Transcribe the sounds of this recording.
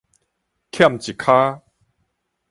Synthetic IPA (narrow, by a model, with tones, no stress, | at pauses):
kʰja˥˨mt͡ɕi˨kʰa˦